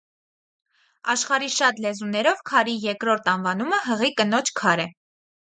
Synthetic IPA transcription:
ɑʃχɑɾiʃɑt̪lɛzunɛɾɔvkʰɑɾijɛɾkɾɔɾt̪ʰɑnvɑnuməɦəʁikənɔt͡ʃʰkʰɑɾɛ

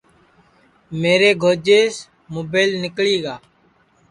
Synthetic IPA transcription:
meːɾeːɡʱoːd͡ʒeːs | moːbeːlnɪkɭiːɡaː

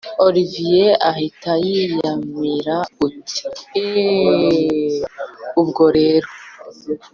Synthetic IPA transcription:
oɾivijeʔahitajijamiɾauti̥ | ubɡo̞ɾeːɾo

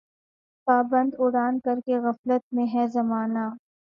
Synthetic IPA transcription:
paːbə̃nd̪ʊɽaːnkɐɾkeɣɐflət̪̚mẽɦɛ̃zɐmaːna

